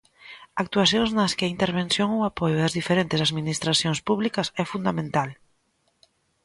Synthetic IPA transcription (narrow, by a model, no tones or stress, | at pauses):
ak̚t̪uaθjõŋznɐskɪaint̪eɾβ̞ẽnsjoŋowapojʊɐzðifeɾent̪ɪsaðminist̪ɾaθjõŋspuβlikɐsɛfund̪amẽnt̪al